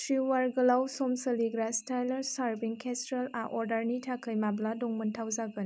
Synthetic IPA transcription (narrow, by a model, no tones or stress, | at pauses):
tɾiwaɾɡəlawsomsəliɡɾastajlɐɾsaɾbiŋkʰestɾela̰ʔɔɾdaɾnitʰakʰəjmabladɔŋməntʰawzaɡən